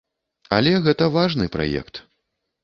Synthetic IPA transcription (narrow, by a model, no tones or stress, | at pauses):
a̰lʲɛɣɛt̪ɐvaʐnɨpɾa̰jɛ̰kt̪